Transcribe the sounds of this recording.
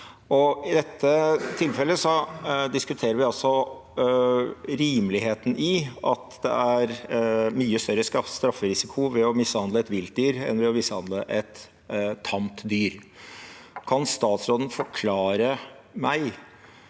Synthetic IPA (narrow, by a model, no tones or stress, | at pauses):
ɔɪd̪ɛt̪ʰːət̪ʰɪlfɛlːəsɔd̪ɪskʉt̪ʰeːɾəɾʋɪɑlsɔ | ɾiːmlɪɦeːt̪ən̩ʔɪʔɑt̪d̪ɛ̰æɾmyːəst̪œɾəsɑst̪ɾɑfːəɾɪsɪkʰʊʋɛɔmɪshɑnd̪ləɛt̪ʋɪlt̪̚d̪yːɾɛ̰nʋɛɔmɪshɑnd̪əʔɛt̪ʰː | ɑmt̪d̪yːɾ | kʰɑnst̪ɑːt̪sɾoːd̪n̩fɔɾkʰlɑːɾəmæɪ